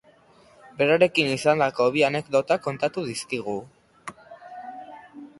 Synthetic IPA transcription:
be̞ɾaɾe̞kinisand̪ako̞βiane̞kd̪o̞t̪ako̞nt̪at̪uðiskiɣ̞u

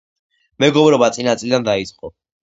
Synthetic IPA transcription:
mɛɡɔbɾɔbat̪sʼinat̪sʼilid̪and̪ait̪sʼqʼɔ

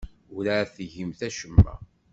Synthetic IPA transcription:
ʊɾaæθʝimθæʃəmːæ̰

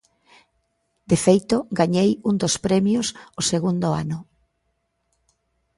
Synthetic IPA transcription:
d̪efejt̪ʊɡaɲejund̪ospɾɛmjʊsʊseɣund̪ʊa̰nʊ

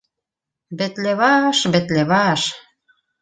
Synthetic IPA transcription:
bĕt̪leβɑʃbĕt̪leβɑʃ

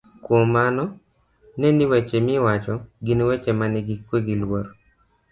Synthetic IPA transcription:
kwomanɔ | nɛniwɛt͡ʃemɪwat͡ʃɔɡinwɛt͡ʃɛmanɪɡɪkweɡilwoɾ

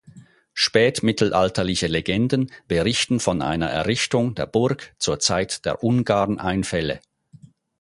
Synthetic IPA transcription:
ʃpɛːtmɪtʰl̩ʔaltɐlɪçəleɡɛndən̩b̥əʁɪçtn̩fɔnʔa̰ɪnɐʔɛ̰ɐʁɪçtʊŋdeːɐb̥ʊɐkt͡suːɐt͡saɪtd̥ḛːɐʔʊnɡaːʁnʔa̰ɪnfɛlə̰

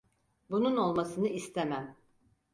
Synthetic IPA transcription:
bununo̞lˠmasɯnɯʔist̪ʰemæm

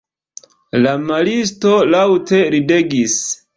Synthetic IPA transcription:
lamalis̬to̞lawte̞ɾide̞ɡis

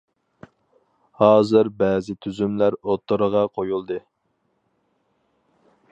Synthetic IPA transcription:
hɑːzɨɾbɛːzɪt̪ʰyzymlæɾot̪ʰːoɾəʁɑqʰojulˠd̪ɨ

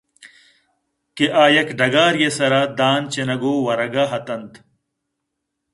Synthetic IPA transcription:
keʔaːjɐkɖɐɡaːɾjesɐɾaːd̪aːnt͡ɕenɐɡoːwɐɾɐɡaɦɐt̪ɐnt̪

